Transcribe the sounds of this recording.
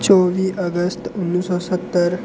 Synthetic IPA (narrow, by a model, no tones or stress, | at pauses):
t͡soʋiːʔəɡəst̪unːisɔsət̪ːəɾ